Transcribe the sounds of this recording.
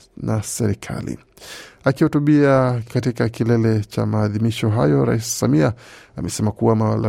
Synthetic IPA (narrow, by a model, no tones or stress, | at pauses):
nʔasɛɾikʰa̰lḭ | akihutuɓiakatikakilɛlɛt͡ʃa̰maːðimiʃɔɦajɔɾa̰isi̥samiaamɛsɛmakuwamawala